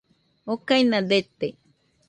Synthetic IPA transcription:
okajnãd̪et̪e

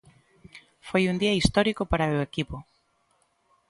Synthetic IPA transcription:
fojund̪iɐist̪ɔɾikopaɾaewekipo

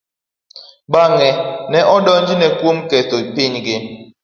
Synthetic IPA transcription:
ɓaŋɛnɛʔɔɗɔnd͡ʒinɛkwomkɛtoipiɲɡɪ

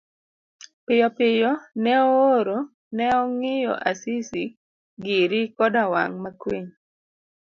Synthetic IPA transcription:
pɪjɔpɪjɔnɛɔoɾo | nɛɔŋɪjɔ̰ʔasisi | ɡiɾɪkɔdawa̰ŋmakwiɲ

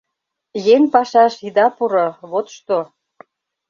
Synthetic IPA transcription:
jeŋpɑʃɑʃid̪ɑpuɾoβot̪ʃt̪o

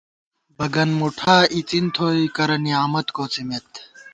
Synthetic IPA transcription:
bɐɡɐnmuʈʰaːit͡sint̪ʰoːikɐɾɐniaːmɐt̪koːt͡simet̪

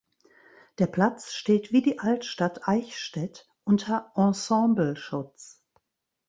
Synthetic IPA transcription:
d̥eːɐpʰl̥at͡sʃteːtv̥iːdiːʔaltʃtatʰʔaɪçʃtɛt | ʔʊntʰɐʔɑ̃sɑ̃ːmbl̩ʃʊt͡s

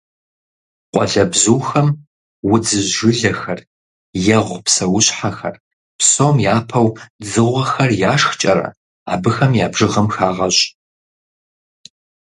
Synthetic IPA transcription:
qʷʼɔɮɐbzuːxɐm | wʊd͡zɨʒʒɨɮɐxɐr | jɛʁʷpsɐwʊɕħaxɐ̰r | psomjaːpʰɐwd͡zɨʁʷɐxɐrjaːʂxt͡ʃʼɐɾɐ̰ | a̰ːbɨxɐmjaːbʐɨʁɐmxaːʁɐɕʼ

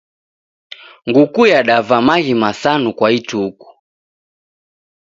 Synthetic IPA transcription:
ŋɡukujaɗavamaɣimasanukwaituku̥

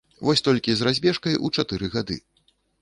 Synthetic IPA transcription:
vɔsʲt̪ɔlʲkʲizrazʲbʲɛʂkɐjʔut͡ʂat̪ɨɾɨɣad̪ɨ̰

